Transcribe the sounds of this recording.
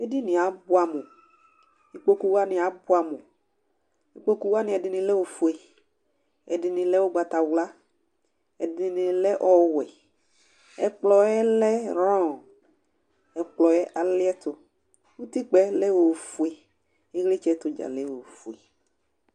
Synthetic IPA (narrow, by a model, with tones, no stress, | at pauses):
e˦di˦nɪ̃˨a˨˦bʊ˦a˨mo˨ | i˦k͡po˦ku˦wa˦nɪ̃˨a˨bʊ˦a˨mo˨ | i˦k͡po˦ku˦wa˦nɪ̃˨˦ɛ˨dɪ˨nɪ̃˨lɛ˦wo˨fu˨e˨ | ɛ˨dɪ˨nɪ̃˨lɛ˦wo˦ɡ͡ba˨t̪a˨wla˦ | ɛ˨dɪ˨nɪ̃˨lɛ˦ʔɔ˦wɛ˨ | ɛ̰˨k͡plɔ˨ɛ˦lɛ˦ɾɔ̃˦˨ | ɛ˨k͡plɔ˨ɛ˦ʔa˨lɪ˦ɛ˦t̪ʊ˨ | wu˦t̪i˦k͡pɛ˦lɛ˦wo˨fu˨e˨ | e˦ɣle˦t͡ʃɛ˦t̪ʊ˨d͡ʒa̰˨lɛ˦wo˨fu˨ḛ˨